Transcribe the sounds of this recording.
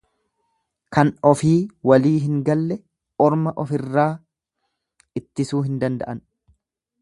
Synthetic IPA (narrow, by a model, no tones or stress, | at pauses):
kɐnɔfiːwɐliːɦɪŋɡɐlːɛ | ʔɔɾmɐʔɔfɪrːaː | ɪt̪ːɪsuːɦɪnd̪ɐnd̪ɐ̰ʔɐn